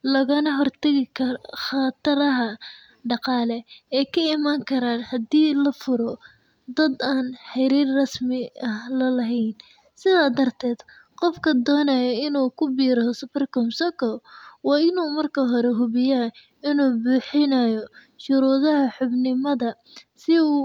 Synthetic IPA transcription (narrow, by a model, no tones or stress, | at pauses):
lɐɣɐnɐɦɔrt̪ʰɐɣɪkʰɐχɑt̪ʰɐɾɐɦɐ | ɖɑqɑːlɛɛːjkʰɐɪmaːŋkʰɐɾaːnhɐd̪iːlɐfʊɾɔ | d̪ɐd̪aːnħɛɾiːrrɐsmɪɐhlɐlɐɦɛjn | sɪðaːd̪ɐrt̪ʰɛːd̪ | qɔfkʰɐd̪ɔːnɐjɐɪnuːkʰʊbiːɾɐsʊpɛrkɔmsɔkʰɔwɑːɪnuːmɐrkʰɐɦɔɾɛɦʊβɪja | ɪnuːbuːħɪnɐjɔ | ʃʊɾuːðɐɦɐħʊbnɪmɐðɐ | sɪuː